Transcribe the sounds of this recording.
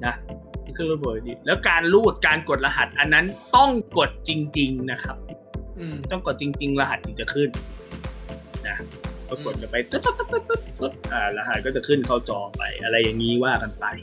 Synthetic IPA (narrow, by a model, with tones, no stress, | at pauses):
na˦˥˨kʰɯ˥˩n˨uː˦˥˩boː˨˩kdiː˧˩lɛː˦˥wkaː˧nluː˥˩t̪̚kaː˧nko˨˩t̪̚la˧ɦa˨˩t̪̚ʔa˧nːa˦˥nt̪ɔ˥˩ŋko˨˩t̪̚t͡ɕi˧ŋt͡ɕi˧ŋna˦˥kʰa˦˥p̚ː | t̪ɔ˥˩ŋko˨˩t̪̚t͡ɕi˧ŋt͡ɕi˧ŋla˧ɦa˨˩t̪ʰːɯ˨˩t͡ɕa˨˩kʰɯ˥˩n | na˦˥ʔkɔː˧˥˩ko˨˩t̪̚ka˧˩pa˧jt̪o˧˩t̪ːo˧˥t̪ːo˧˥t̪o˧˥t̪o˧˩t̪̚o˨˩t̪̚ʔaː˧˩la˧ɦa˨˩kɔː˥˩t͡ɕa˨˩kʰɯ˥˩nkʰa˥˩wt͡ɕɔː˨˧˩pa̰˧jʔa˧ɾa˧jːa˨˩ŋːiː˦˥waː˥˩ka˧npa˧j